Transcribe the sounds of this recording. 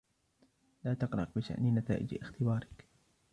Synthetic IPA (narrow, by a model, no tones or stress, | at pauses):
laːt̪ɑqɾɑ̰q̚bɪʃa̰ʔnɪnat̪a̰ːʔɪ̰d͡ʒɪxt̪ɪbaːɾˤɪk